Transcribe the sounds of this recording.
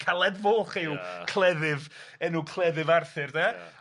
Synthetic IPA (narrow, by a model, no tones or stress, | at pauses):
kʰalˠɛdvoːχɪwkʰl̥ˠɛðɪvɛnukʰlˠɛðɨvarθɨrdɛ